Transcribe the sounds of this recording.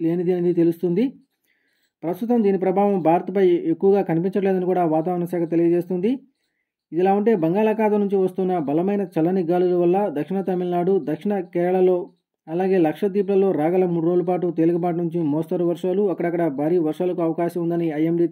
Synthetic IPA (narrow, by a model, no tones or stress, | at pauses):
le̞ːnid̪inɐd̪it̪e̞lust̪und̪i | pɾɐst̪ut̪ɐmd̪iːnipɾɐbʱaːʋɐmbʱaːɾɐt̪ɐpɐjekːuʋɐɡaːkɐnipiɲt͡ʃɐʈleːd̪ɐnikuːɽaːʋaːt̪̬aːʋɐɾɐɳɐsaːkʰɐt̪̬e̞lijɐd͡ʒe̞ːst̪und̪i | id̪ilaːuɳʈe̞ːbɐŋɡaːlɐkaːd̪ɐmnuɲt͡ʃiʋɐst̪unːɐbɐlɐmɐjnɐt͡ʃɐlːɐniɡaːlulɐʋɐlːɐd̪ɐkʂiɳɐt̪ɐmilnaːɽud̪ɐkʂiɳɐkɛːɾɐɭɐlo̞ː | ɐlaːɡe̞ːlɐkʂɐd̪iːp̬lɐlo̞ːɾaːɡɐlɐmuːɽuɾoːlɐp̬aːʈut̪eːluɡɐp̬aːʈ̬unuɲt͡ʃimɔːst̪ɐɾuʋɐɾʂaːluɐkːɐɽɐkːɐɽɐbʱaːɾiːʋɐɾʂaːlɐkuɐʋɐkaːʃɐmund̪ɐniɐjemɖi